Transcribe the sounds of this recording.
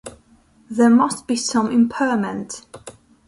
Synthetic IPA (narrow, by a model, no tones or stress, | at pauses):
ðəmʌsb̥isʌ̃mɪ̃mpʰɜːmə̃nt